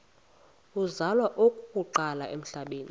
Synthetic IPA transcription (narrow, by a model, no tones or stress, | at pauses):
uzalwaʔokʼukʼuǃalaʔem̩ɬaɓeːni